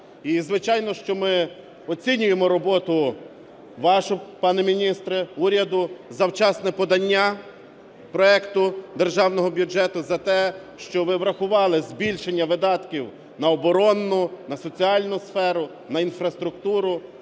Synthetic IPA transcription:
izʋɪt͡ʃɑjnɔʃt͡ʃɔmɪ | ɔt͡sʲinʲʊjemɔɾɔbɔt̪ʊ | ʋɑʃɔpɑnɪmʲinʲist̪ɾɛuɾʲɐd̪ʊzɐwt͡ʃɑsnɛpɔd̪ɐnʲːa | pɾɔɛkt̪ʊd̪erʒɑwnɔɦɔbʲjud͡ʒɛt̪ʊzɐt̪ɛʃt͡ʃɔʋɪʋɾɐxʊʋɑlˠɪzbʲilʲʃenʲːɐʋɪd̪ɑt̪kʲiw | nɐɔbɔɾɔnːʊnɐsɔt͡sʲiɑlʲnʊsfɛɾʊ | nɐinfɾɐst̪ɾʊkt̪uɾʊ

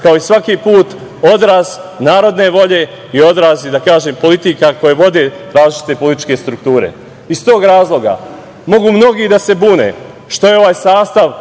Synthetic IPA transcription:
kao̞isʋakipuːt̪ | o̞d̪ɾaːznaːɾo̞d̪ne̞ʋo̞ʎe | io̞d̪ɾaːzid̪akaːʒeːmpo̞lit̪ikako̞jeʋo̞d̪eɾaːzlit͡ʃi̥t̪epo̞lit̪it͡ʃke̞st̪ɾuk̚t̪uːɾe̞̰ | ist̪o̞ːɡɾaːzlˠo̞ɡa̰ | mo̞ɡuːmno̞ɡid̪ase̞buːnḛ | ʃt̪o̞jeo̞ʋaːjsaːst̪aʋ

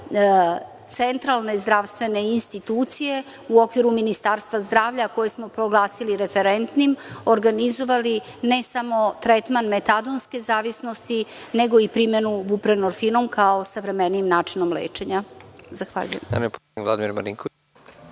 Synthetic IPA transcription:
t̪se̞nt̪ɾalˠne̞zd̪ɾaʋst̪ʋe̞ne̞inst̪it̪uːt̪sije̞ | uo̞kʋiɾuminist̪aɾst̪ʋazd̪ɾaːʋʎako̞jesmo̞pɾo̞ɡlˠaːsiliɾe̞feɾent̪nimoɾɡanizo̞ʋali | nesamo̞t̪ɾet̪manme̞t̪ad̪onske̞zaːʋisnost̪ineɡo̞ipɾime̞nuʋupɾenoɾfino̞mkʰao̞saʋɾe̞meniːmnaːt͡ʂinomlḛːt͡ʃe̞ɲazaxʋa̰ːʎṵjḛma̰nepoivla̰d̪imiɾma̰nḭŋko

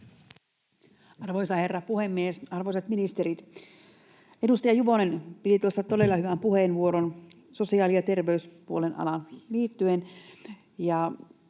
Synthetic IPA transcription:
ɑrʋojsɑherːɑpuhemːiesɑrʋoisɑt̪minist̪eɾit̪ | edust̪ɑjɑjuʋonenpit̪it̪uost̪ɑt̪ode̞lːɑhyʋæmpuhenʋuo̞ɾon | so̞siɑːlijɑt̪e̞rʋeyspuolenʔɑ̰lɑnliːt̪ːyen | jɑ

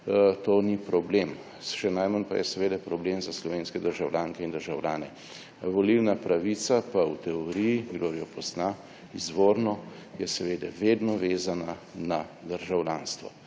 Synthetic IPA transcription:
t̪oːnipɾɔbleːm | ʃɛnajmanpa̰jɛsɛʋeːd̪ɛpɾɔblemzaslɔʋeːnskɛd̪əɾʒawlʲjaːŋkɛind̪əɾʒawlʲa̰ːnɛ̰ | ʋɔliwnapɾaʋit̪sapawt̪ɛɔɾijiɡloːɾijɔpɔsna | izʋoɾnɔ | jɛsɛʋeːd̪ɛʋed̪nɔʋeːzananad̪əɾʒawlʲanst̪ʋɔ̰

